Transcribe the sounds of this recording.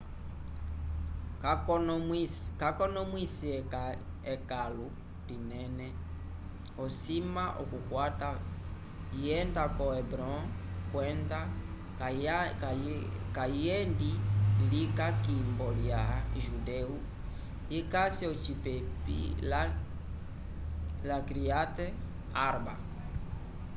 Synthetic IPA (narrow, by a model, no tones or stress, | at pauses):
kakɔnɔmwisiɛka | ɛkalu | dinɛnɛ | ɔsimaʔɔkukwata | iɛndakɔɛbɾɔkwɛnda | kaiɛndilikakimbɔljaʒudɛu | ikasiɔt͡ʃipɛpḭla | lakɾiatɛ | aɾba̰